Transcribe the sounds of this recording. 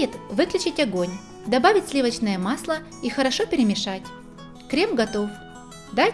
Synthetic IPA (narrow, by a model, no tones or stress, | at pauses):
ɪt̪vɨklʲʉt͡ɕɪtʲɐɡonʲ | d̪ɐbavʲɪtʲsʲlʲivət͡ɕnəjəmaslˠə | ixəɾɐʂopʲɪɾʲɪmʲɪʂatʲ | kɾʲe̞mɡɐt̪o̞f | d̪a